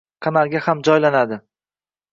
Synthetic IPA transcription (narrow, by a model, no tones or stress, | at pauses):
qʰɑnalˠɡʲahamd͡ʒɒjlanad̪ɪ